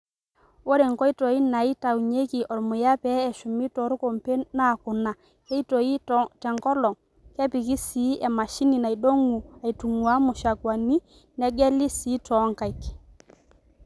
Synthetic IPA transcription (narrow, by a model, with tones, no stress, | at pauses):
o˦ɾe˨ŋkɔ˦i˦tɔ˨i˦na˨i˦ta˨wɲe˦ki˨ʔɔ˨lmʊ˨ja˦pɛ˦ɛ˨ʃʊ˨mi˦tɔ˨ɾu˦ko˨mpe˦na˦˨kʊ˨na˨ | kɛ˦i˦to˨i˦tɛ˨ŋkɔ˦lɔ˨ŋ | kɛ˦pi˨ki˦si˨˦ɛ˨ma˨ʃi˦ni˨na˨jdo˦ŋu˨a˨i˨tu˨ŋwa˦mʊ˨ʃa˨kwa˨ni˦ | nɛ˦ɡɛ˦li˦si˨˦tɔ˨˦ŋka˨jk